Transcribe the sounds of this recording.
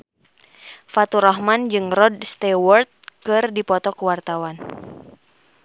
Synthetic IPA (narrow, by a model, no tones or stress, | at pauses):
fat̪uɾɔɦmand͡ʒɨŋrɔdst̪ɛwɔrt̪̚kɨrdipɔt̪ɔkuwart̪awan